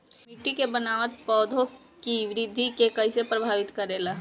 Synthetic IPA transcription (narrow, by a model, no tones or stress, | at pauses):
mɪʈːikebɐnaːʋət̪̚pɔːd̪ʱo | kiʋɾid̪ʱikekɐɪ̃sepɾɐbʱaːʋɪt̪kɐɾeːlaː